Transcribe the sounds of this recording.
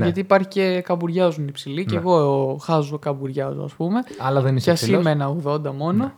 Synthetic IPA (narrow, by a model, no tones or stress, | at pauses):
nʝɐt̪iːpɐɾçice̞kɐbuɾʝɐzunipsiliceɣo̞xɐzokɐbuɾʝɐzo̰ɐ̰spume̞ɐlɐðeniseɐsimenɐo̞ɣðo̞nd̪ɐmo̞no